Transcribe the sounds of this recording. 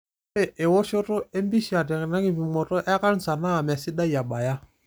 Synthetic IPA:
e˦˨ʔe˨wo˦ʃo˦to˦e˦m˦bi˦ʃi˨a˨tɛ˨kna˦ki˦˨vi˨mɔ˨tɔ˦ʔɛ˦ka˦n̩˨sa˨na˦a˨m˨a˨si˦da˦i˨a˨ɓa˨ja˦

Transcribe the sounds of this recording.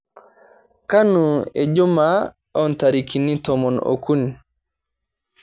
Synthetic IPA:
ka˦nu˨e˨d͡ʒu˦ma | ɔ˦nta˨ɾi˨kʰi˨ni˦tɔ˨mɔ˨no̰ku˦ni˨

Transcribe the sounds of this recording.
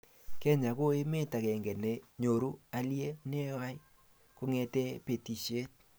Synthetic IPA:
kɛ˦ɲa˨ko˦e˦me˦ta˨kɛ˨ŋɡɛ˨ne˨ɲo˨ɾu˦a˨lje˦ne˦wa˦i˦ | ko˦ŋɛ˨tɛ˦pe˨ti˨ʃe˦t̚

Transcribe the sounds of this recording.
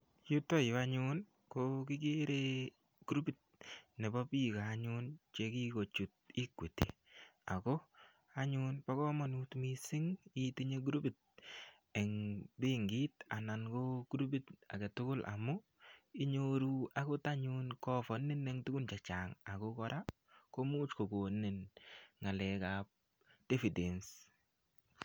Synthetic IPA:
ju˦to˦˨a˦ɲʊn | koki˦k̬i˦ɾe˦ | ɡu˦ɾu˦bi˨t̚ne˨bɔ˦pi˦kaː˨˦ɲʊ˦nt͡ʃe˦ki˦ko˨t͡ʃu˨t̚i˦kwe˨tḭ˨ | a̰˨ko˦ | a˦ɲʊnpa˦kɔ˦mɔ˨nu˦tmi˦sɪ˦ŋi˦ti˦ɲe˦ɡ̬u˦ɾu˦bi˨t̚ | e˨ŋbi˦ŋɡi˦ta˨na˨nkoɡ̥u˦ɾu˦bi˦ta̰˨ɡe˨tʊ˦kʊ˦lʔa̰˨mʊ˦ | ɪ˦ɲoɾua˨ko˦ta˦ɲʊnkɔ˦fɔ˨nɪ˦nɛ˨ŋtu˦ɡu˦nt͡ʃa˨t͡ʃa˨ŋa˨ko˦kɔ˦ɾa˦ | ko˦muː˦t͡ʃko˨ko˨nnːe˨nŋa˨lɛ˨ka˨p̚ | d̥e˦fi˨de˨ns

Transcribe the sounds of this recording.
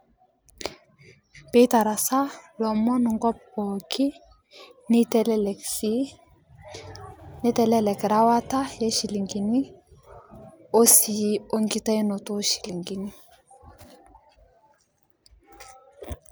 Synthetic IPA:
pe˦ta˨ɾa˨sa˦lɔ˨mɔ˦nu˨ŋɡɔ˦pːɔ˨kʰi˦ | nitli | ni˦tɛ˨lɛ˦lɛ˨kɾa˦wa˦ta˦je˦ʃi˨li˨ŋɡi˨ni˦ | o˦si˨jo˦ŋɡi˦ta˦i˦no˨to˦ʃi̥˨li˨ŋɡi˨ni˦

